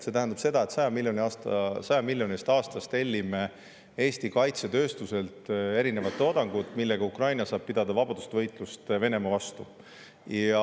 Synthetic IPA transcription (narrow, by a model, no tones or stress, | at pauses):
se̞t̪æɦænd̪ɑ̥b̥se̞d̪̥ɑe̞t̪sɑjɑmilːjonʲiɑssɑjɑmilʲjo̞nist̪ɑːst̪ɑst̪e̞lʲːime | e̞ːst̪ikɑjt̪se̞t̪ø̞ːst̪use̞lt̪e̞ɾine̞vɑt̪ːˑeo̞d̪̥ɑŋɡ̥ut̪ːˑmilːeɡɑukrɑjnɑsɑːb̥̚pid̪̥ɑd̪̥ɑvɑbɑd̪̥ust̪evɤ̞jt̪ˑlust̪ve̞ne̞mɑvɑst̪u | jɑ